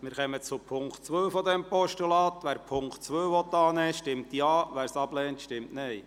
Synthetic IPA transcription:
mɪːɾχɛmət͡sʊpʰʊŋktt͡sʋøwfɔd̪ɛmpɔʃtulɑːt̪ʋæːɾpʰʊŋkχtt͡sʋøːʋɔt̪ːɑːnɛːʃtɪmt̪jɑːʋæːɾsɑblɛːntʃtɪmtnɛj

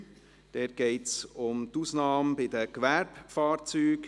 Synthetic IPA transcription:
d̥ɛɾ̚ɡ̥ɛɪtsʊmt̪uːsnɑːmbɪd̪əkʋɛɾbfɑːɾt͡syːk

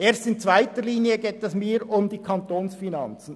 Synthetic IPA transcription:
ʔeːɾstɪnt͡sv̥aɪtəɾliːnjəɡeːtɛsmiːɾʊmd̪iːkʰɑnt̪oːnsfinɑnt͡sn̩

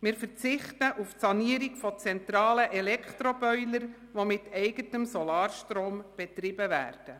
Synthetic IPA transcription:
mɪːɾfərt͡sɪχtəʔufsɑniəɾiɡfɔt͡sɛnt̪ɾɑːləʔɛlɛkχtɾobœʏləɾ | ʋomɪtʰɛɪɡətəmsɔlɑːrʃtɾoːmb̥ɛtrɪbəvæ̰ːrd̥ə

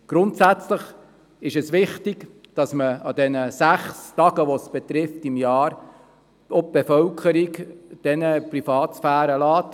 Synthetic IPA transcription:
ɡ̥ɾʊntsæt͡sləχ | ɪʃɛsʋɪχtiɡ | d̥ɑsməɑdɛnəsæχstɑɡəʋosb̥ɛt̪ɾɪftɪmjɑːɾ | op̚b̥efœlkʰχəɾikd̥ɛnəprifɑːtsfæːɾəlɑːt

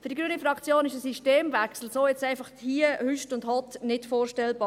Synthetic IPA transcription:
fy̥ːɾdiɡɾyənifɾɑkt͡sjoːnɪʃəsiʃteːmvæksl̩soːjɛt͡saɪfɑχthiːəhyʃtʊndhɔtnɪtfoːrʃtɛlbɑː

